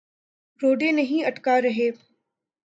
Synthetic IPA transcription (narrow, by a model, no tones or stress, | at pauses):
ɾoːɖenɐɦĩɐʈkaɾɐɦeː